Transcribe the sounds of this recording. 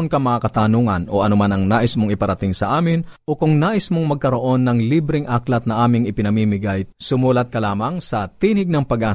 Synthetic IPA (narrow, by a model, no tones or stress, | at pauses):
nkɐmɐŋaːkɐt̪aːnuŋɐ̰nʔo̞̰ʔɐnomanɐŋnaːʔɪsmoŋɪpɐɾɐt̪ɪŋsɐʔaːmɪnʔo̞kʊŋnaːʔɪsmoŋmɐɡ̚kɐɾo̞ʔo̞nːɐŋlibɾɪŋʔaklɐt̪̚nɐʔaːmɪŋɪpɪnɐmiːmɪɡajsʊmuːlɐt̪̚kɐlaːmɐŋsɐt̪iːnɪɡ̚nɐŋpɐɡʔaː